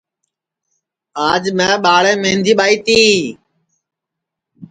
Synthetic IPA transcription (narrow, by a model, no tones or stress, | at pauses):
aːd͡ʒmɛ̃ːɓaːɭɛ̃ːmẽːnd̪ʱiːɓaːiːt̪iː